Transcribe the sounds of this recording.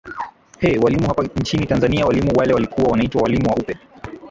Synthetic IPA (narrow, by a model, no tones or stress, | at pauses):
hɛwalimuhapaɲt͡ʃinitanzaniawalimuwalɛwalikuwawanaitwawalimuwaʔupɛ